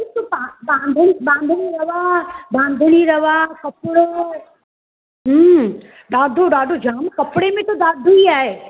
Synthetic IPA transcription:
t̪opabãːnd̪ʱənibãːnd̪ʱəniɾɐʋabãːnd̪ʱniɾɐʋakɐpɽe | ɦə | ɗ̪aːd̪ʱoɗaːɖ̪ʱod͡ʒʱaːmkɐpɽemẽt̪oɗ̪aːd̪ʱuiaːɦeː

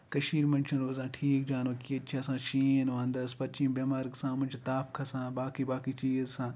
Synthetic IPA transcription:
kɐʃiːɾmɐnʲt͡ʃʰɐ̃nɾoːzãːʈʰiːk̚d͡ʒaːnʋɐkiɐt͡ʃʰiɐsãːʃiːnʋãnd̪ɐspɐt̪t͡ʃĩːmbeːmaːɾɡsãːmʊnd͡ʒt̪aːfkʰɐsãːbaːkibaːkit͡ʃiːzsãː

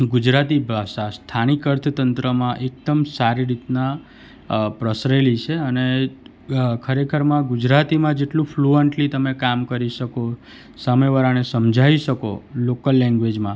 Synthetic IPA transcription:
ɡud͡ʒɾat̪ibʱaʃast̪ʰanikəɾt̪ʰət̪ənt̪ɾəmãʔek̚t̪əmsaɾiɾit̪na | pɾəsɾelit͡ʃʰeəne | kʰəɾekʰəɾmãɡud͡ʒɾat̪imãd͡ʒeʈlũfʰluəɳʈlit̪əmekamkəɾiʃəko | səmeʋəɾanesəmd͡ʒʱaiʃəko̰lokəlːɛ̃ŋɡʋed͡ʒmã

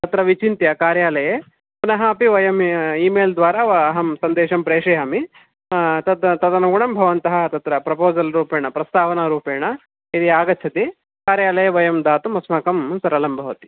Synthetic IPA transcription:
t̪ɐt̪ɾɐʋit͡ʃint̪jɐkaːɾjaːlɐje | punɐɦɐɐpiʋɐjɐmiːmeːld̪ʋaːɾaɐɦɐmsɐnd̪eːʃɐmpɾeːʂɐjami | t̪ɐt̪t̪ɐt̪ɐnɐɡuɳɐmbʱɐʋɐnt̪ɐɦɐt̪ɐt̪ɾɐpɾɐpoːzɐlɾuːpeːɳɐpɾɐst̪aːʋɐnɐɾuːpeːɳɐ | iɾiaːɡɐt͡ʃʰɐt̪i | kaːɾjaːlɐjɐʋɐjɐmd̪aːt̪umɐsmaːkɐmsɐɾɐlɐmbʱɐʋɐt̪i̥

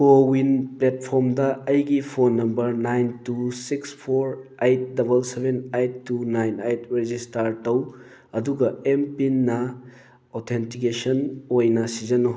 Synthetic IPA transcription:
kowinplet̚pʰoɾmdɐɐjɡipʰonːɐmbɐɾnajntusikspʰoɾajt̚dɐbɐlsebenajtːunajnajtɾed͡ʒistɐɾtɐw | ɐduɡɐempinːɐ | otʰentikesɐnojnɐsid͡ʒɐno

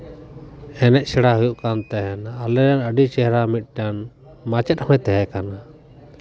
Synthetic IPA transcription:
ɛnɛc̪̚sɛɽaɦujuʔkant̪ɛɦɛnalɛɾanəɖit͡ʃɛɦɾamit̪̚ˀʈan | mat͡ʃət̪̚hɔ̃t̪ɛɦɛkana

